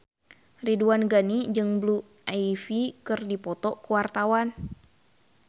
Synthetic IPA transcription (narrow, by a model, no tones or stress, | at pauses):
riduanɡanid͡ʒɨŋblu | ʔaifikɨrdipɔt̪ɔkuwart̪awan